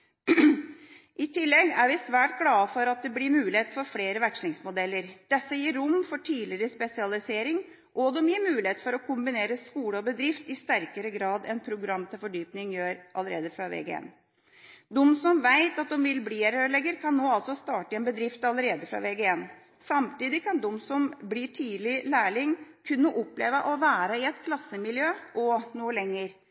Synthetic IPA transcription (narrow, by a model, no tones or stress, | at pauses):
ʔɪt̪ʰɪlːɛɡæɾʋɪsʋæːʈ̚ɡlɑːəfɔɾɑt̪̚d̪ɛblɪmʉːlɪheːt̪fɔɾfleːɾəʋækʂlɪŋsmʊd̪ɛlːəɾd̪̥ɛsːəjiːɾɾʊmfɔʈʰiːlɪɾəspɛsɪɑlɪseːɾɪŋ | ʔɔd̪ɔmjiːmʉːlɪheːt̪fɔɾɔkʰʊmbɪneːɾəskuːləɔbəd̪ɾɪft̪ɪst̪æɾkəɾəɡɾɑːd̪ɛ̰npʰɾʊɡɾɑmːt̪ʰɪlfɔɖyːpnɪŋjøːɾʔɑləɾḛːd̪əfɾɑʋḛːɡḛːn | d̪ɔmsɔmʋæɪt̪ɑt̪̚d̪ɔmʋɪlbliːæɾøːɭɛɡəɾkʰɑnːoːɑlsɔst̪ɑːʈəɛnbəd̪ɾɪft̪ɑləɾeːd̪əfɾɑ̰ʋeːɡəen | sɑmt̪iːd̪ɪkʰɑnd̪ɔmsɔmbliːʈʰiːd̪lɪlæːɭɪŋkʰʉnːəʔɔplḛːʋəʔɔʋæːɾəɪɛt̪kʰlɑsːəmɪljøːʔɔnuːəlɛŋːəɾ